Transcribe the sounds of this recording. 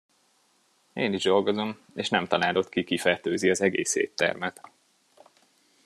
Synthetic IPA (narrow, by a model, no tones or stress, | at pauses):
eːniʒd̪o̞lɡo̞zo̞m | eːʃnɛmt̪ɒlaːlo̞t̪kikifɛrt̪øːziɒzɛɡeːshḛːt̪ːɛ̰rmɛt̪